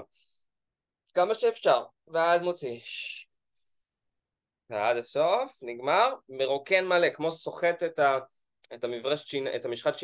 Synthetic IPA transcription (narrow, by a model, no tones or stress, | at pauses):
kamaʃeːfʃaʁ | veazmot͡siʃ | vead̪aso̞fniɡmaʁmeʁokenmalekmo̞ʃso̞χet̪eta | et̪amifʁaʃʃinḛtamiʃχatʃi